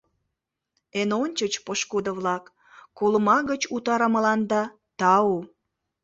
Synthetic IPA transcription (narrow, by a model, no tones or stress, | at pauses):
enonʲt͡ɕət͡ɕpoʃkud̪əβlɑk | kːoləmɑɣət͡ɕut̪ɑɾəməlɑnd̪ɑ | t̪ɑo